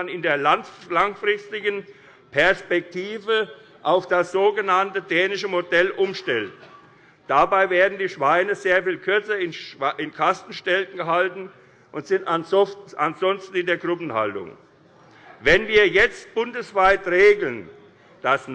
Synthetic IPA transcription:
nɪndeːɐlanlaŋfʁɪstɪɡən | pʰɛɐspɛk̚tʰiːvə | ʔaʊfd̥asz̥oːɡənantədɛːnɪʃəmodɛlʔʊmʃtɛlt | d̥abaɪveːɐdn̩diːʃv̥aɪnəzeːɐfiːlkʰʏɐt͡sɐɪnʔɪnkʰastn̩ʃtɛltn̩ɡəɦaltn̩ | ʔʊntz̥ɪntananz̥ɔnstn̩ɪndeːɐɡʁʏpn̩ha̰ltʊ̰ŋ | vɛnviːɐjɛt͡st̚b̥ʊndəsv̥aɪtʁeːɡl̩n | d̥asn

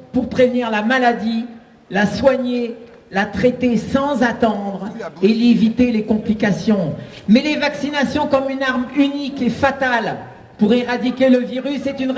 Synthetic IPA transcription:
puʁpχevniʁlamalad̪i | laswaɲe | lat̪χɛt̪esɑ̃zat̪ɑ̃d̪ʁelevit̪elekɔ̃plikasjɔ̃mɛlevaksinasjɔ̃kɔmynaʁmynikefat̪al | puʁeʁad̪ikʲeləviʁysːɛt̪yn

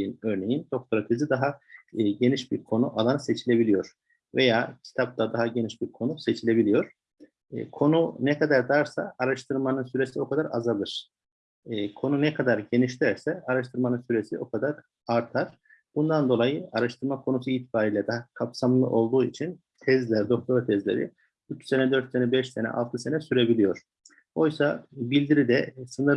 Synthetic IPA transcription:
inø̞ɾne̞jind̪̥o̞k̚t̪ʰoɾot̪ʰezid̪aɦaɟe̞niʃbiɾkʰo̞nuʔalˠanse̞t͡ʃʰilʲe̞bilʲijo̞ɾ̥ | ve̞jaːcʰi̥t̪ʰap̚t̪ʰad̪aɦaɟe̞niʃbiɾkʰo̞nuse̞t͡ʃʰilʲe̞bilʲijo̞ɾ̥̰ | kʰo̞nunɛkʰad̪aɾd̪aɾsaːɾaʃt̪ʰɯɾmanɯnsyɾe̞sio̞kʰad̪aɾa̰zalˠɯɾ̥ː | kʰo̞nunɛkʰad̪aɾɟe̞niʃt̪æɾsɛaɾaʃt̪ʰɯɾmanɯnsyɾe̞siʔo̞kʰad̪aɾ | aɾt̪ʰaɾ̥ | b̥und̪and̪o̞lˠajɯaɾaʃt̪ʰɯɾmakʰo̞nus̬uiːt̪ʰi̥baːɾiːlʲɛd̪aɦakʰapsamlˠɯ̰ʔo̞lˠd̪uːit͡ʃʰin | t̪ʰɛzlʲæɾd̪o̞k̚t̪ʰo̞ɾat̪ʰɛzlʲe̞̰ɾḭ | yt͡ʃsenɛd̪øɾt̪senɛbɛʃse̞nɛ̰ʔa̰lˠt̪ʰɯse̞nɛsyɾe̞bilʲijo̞ɾ̝̥ | o̞jsabilʲd̪iɾid̪ɛsɯnɯɾ

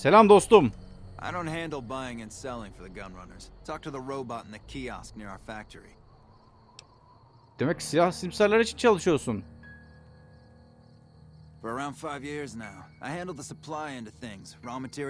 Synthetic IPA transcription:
se̞lʲamd̪o̞st̪um | ʔaɪɾõʊ̃nt̚ɦæ̃ndˡl̩ˠbaɪɪ̃ŋɨ̃nsɛlˠɪ̃ŋfə˞ðɨɡʌ̃nɹʌ̰nə̰˞z̥tʰɔk̚tʰɨðəɹoʊbɑɾn̩ðɨkʰiɑ̰sk̚nɪɹaʊə˞fæk̚tʰə˞ḭ | d̪̥e̞mɛcsijahsiimsæɾlʲæaɾit͡ʃʰint͡ʃʰalˠɯʃɯjo̞sun | fə˞ə˞ãʊ̃nd̥faɪvjɪɹznaʊʔaɪhæ̃ndˡl̩ˠðəsəpʰl̥ˠaɪɪ̃ntʉθɪ̃ŋz̥ɹɑmɨtʰɪ

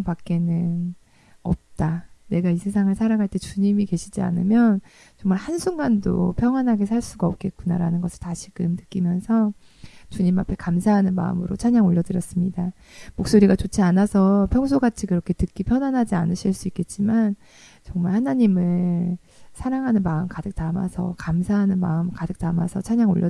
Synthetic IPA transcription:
ŋpak̚k͈e̞nɯn | ʌ̰p̚t͈ane̞ɡaisʰe̞s̬ʰaŋɯɭsʰaɾaŋɦaɭt͈e̞t͡ɕuɲimike̞ɕʰid͡ʑia̰nɯmjʌn | t͡ɕʌŋmaɭhansʰuŋɡando̰pʰjʌŋwanɦaɡe̞s̬ʰaɭs͈uɡaʌp̚k͈e̞t̚k͈unaɾanɯnɡʌsʰɯɭtaɕʰiɡɯmnɯk͈imjʌnsʰʌ | t͡ɕuɲimapʰe̞kamsʰaɦanɯnma̰ɯ̰mɯɾot͡ɕʰaɲaŋoʎːʌdɯɾjʌs͈ɯmɲida | mok̚s͈oɾiɡat͡ɕot͡ɕʰianasʰʌpʰjʌŋs̬ʰoɡat͡ɕʰikɯɾʌkʰe̞tɯk͈ipʰjʌnanɦad͡ʑianɯɕʰiɭs͈uik͈e̞t̚t͡ɕ͈iman | t͡ɕʌŋmaɭhanaɲimɯɭ | sʰaɾaŋɦanɯnmaɯmkadɯk̚t͈ama̰sʰʌ̰kamsʰaɦanɯnma̰ɯmkadɯk̚t͈amasʰʌt͡ɕʰaɲaŋo̰ʎːʌ

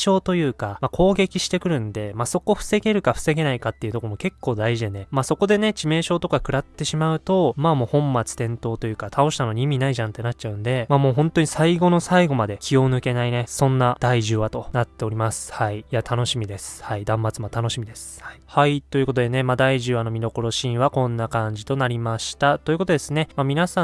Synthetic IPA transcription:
ɕo̞ːt̪o̞jɯ̟ːkamakʰo̞ːɡe̞kʲiɕi̥t̪e̞kɯ̟ɾɯ̟̃nd̪e̞maso̞ko̞ɸɯ̟̥se̞ɡe̞ɾɯ̟kaɸɯ̟̥se̞ɡe̞naikat̪ːeiɯ̟t̪o̞komo̞ke̞kːo̞ːd̪aiʑid̪e̞nemaːso̞ko̞d̪e̞ne̞t͡ɕime̞ːɕo̞ːt̪o̞kakɯ̟ɾat̪ːe̞ɕimaɯ̟t̪o̞mamo̞ːhõ̞mːat͡sɨ̥t̪ẽ̞nt̪o̞ːt̪o̞jɯ̟ːkat̪ʰao̞ɕi̥t̪ano̞ɲ̟iːmʲinaiʑãnt̪ːe̞nat͡ɕ̚t͡ɕaɯ̟̃nd̪e̞maːmo̞ːɦõ̞nt̪o̞ɲ̟isaiɡo̞no̞saiɡo̞mad̪e̞kʲʰijo̞nɯ̟ke̞naine̞sõ̞nːad̪̥aiʑɨːβat̪o̞nat̪ːe̞o̞ɾʲimasɨ̥haiːat̪ʰano̞ɕimʲid̪e̞sɨ̥haid̪ãmːat͡sɨmat̪ano̞ɕimid̪e̞sɨ̥ihait̪o̞ji̟ko̞t̪o̞d̪e̞ne̞maːd̪aiʑɨːano̞mʲiɾo̞ko̞ɾo̞ɕĩɰ̃βakõ̞nːakãɲ̟d͡ʑit̪o̞naɾʲimaɕi̥t̪at̪o̞ji̟kot̪o̞d̪esɨne̞mamʲinasã

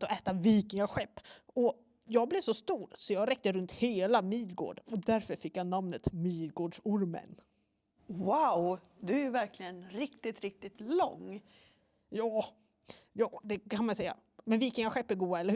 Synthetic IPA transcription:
t̪ɔʔɛːt̪aviːkɪŋaɧɛpːɔ | jɑːɡ̚blɪvsɔst̪uːɾsɔjɑːɡɾɛk̚t̪əɾɵnt̪heːlamiːlɡo̰ːɖɔd̪æɾfœɾfɪkːjanamnət̪miːlɡoːɖʂʊɾmə̰n | waʊ | d̪ɵæɾvæɾklɪɡənɾɪkt̪ɪt̪ɾɪk̚t̪ɪt̪lɔ̰ŋː | jɑː | jɑːd̪ɛkʰanmansɛjːa̰ | mɛnviːkɪŋaɧɛpːæɾɡuːaɛlːə

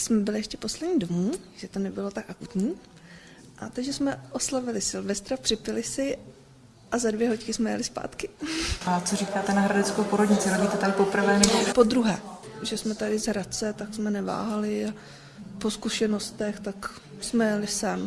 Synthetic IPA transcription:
smɛbɪlɪɛʃcɛpo̞slɛdɲiːdo̞muːʒ̥ɛt̪onɛbɪlo̞t̪akʔakut̪ɲiː | ʔa̰t̪aɡʒɛsmɛʔo̞slavɪlɪsɪlvɛst̪ɾapr̥ɪpɪlɪsɪ | ʔazadvjɛɦockɪsmɛjɛ̰lɪspa̰ːt̪kɪʔat͡soriːkaːt̪ɛnaɦɾadɛt͡skowpoɾodɲɪt͡sɪɾoɟiːt̪ɛt̪adɪpopr̩vɛːnɛbopo̞d̪ɾuɦɛːʒɛsmɛt̪adɪzɦɾat͡sɛt̪aksmɛnɛva̰ːɦalɪa | po̞skuʃɛno̞st̪ɛxt̪ak | smɛjɛlɪsam

